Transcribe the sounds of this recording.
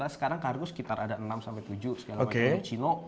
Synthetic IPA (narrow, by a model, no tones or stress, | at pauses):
lasə̥kaɾaŋkarɡʊsə̥kit̪aɾʔadaʔənamsampɛjt̪ud͡ʒʊsəɡalaomakeut͡ʃilo